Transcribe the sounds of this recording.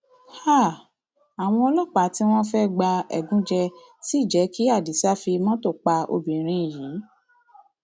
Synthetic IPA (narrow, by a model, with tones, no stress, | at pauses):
ha˦˨ | a˨w̃ɔ̃˧o˧lo˦˨k͡pa˨˦ti˦w̃ɔ̃˦fɛ˦ɡ͡ba˧ɛ̰˨ɡũ˨˦d͡ʒɛ˧ | si˦˨d͡ʒɛ˨˦ki˦a˦˨di˨˦sa˦fi˧mã˦to˦˨k͡pa˧o̰˧bĩ˨ɾ̃ĩ˧i˨ji˨˦